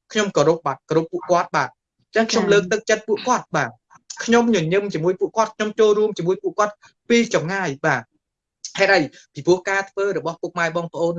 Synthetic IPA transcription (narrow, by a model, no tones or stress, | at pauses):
kʰɲomkoɾup̚ɓat̪̚koɾupːuəʔkŏət̪̚ɓaːt̪̚ | t͡ɕəŋkʰɲomləːk̚t̪ɨk̚t͡ɕət̪̚puəʔkŏət̪̚ɓaː | kʰɲomɲɨɲɨmt͡ɕiəmuəjpuəʔkŏət̪̚kʰɲomt͡ɕoːlɾuəmt͡ɕiəmuəjpuəʔkŏət̪̚ | piːt͡ɕɑmŋaːjɓaː | haɛtɗəj | pipuəhkaːt̪ʰʋəːɾɔɓɑhpuəʔmaɛɓɑːŋpʰə̆ʔoːn